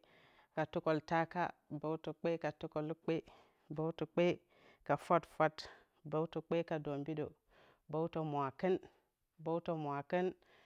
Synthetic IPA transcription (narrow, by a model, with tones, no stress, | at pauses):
ka˨tu˦ko˨lta˦ka̰˦ba˦tu˨k͡pe˦ka˨tu˦ko˨lk͡pe˦ | ba˦wtu˨k͡pe˦ | ka˨fa˦tfa˦t | ba˦wtu˨k͡pe˦ka˨do˨mbi˦do̰˨ | bo˦wto˨mʷ˨a˨kə˦n | bo˦wto˨mʷ˨a˨kə˦n